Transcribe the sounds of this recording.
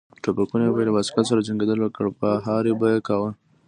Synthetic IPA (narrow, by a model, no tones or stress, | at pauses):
ʈapakunebajlawasi̥kat̪s̬aɾad͡ʒaŋɡed̪əlwəkəɽpaɦɑɾebajekawə